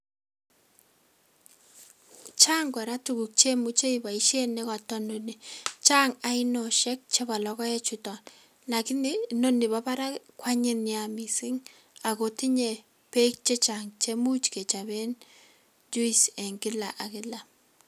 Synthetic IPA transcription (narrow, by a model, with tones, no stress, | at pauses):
t͡ʃa˦ŋɡa˨ɾa˦tuɡu˨k̚t͡ʃe˦mu˦t͡ʃe˦iba˨i˦ʃe˦ne˦ka˨tɔ˦noni˨t͡ʃa˦ŋa˨i˦nɔ˨ʃɛ˦k̚t͡ʃe˦ba˨lɔ˦kɔ˦ɛ˦t͡ʃʊ˨tɔ˨n | la˨kɪ˦ni˦no˦ni˨ba˦ba˦ɾa˦kwa˦ɲɪ˦njami˨si˦ŋ | a˨ko˨ti˦ɲe˨ | pe˦k̚t͡ʃe˦t͡ʃaŋt͡ʃe˦mu˦t͡ʃke˨t͡ʃa˨be˦n | d͡ʒu˦i˨sɛ˨ŋɡɪ˦la˨ʔa˨kɪ˦la˨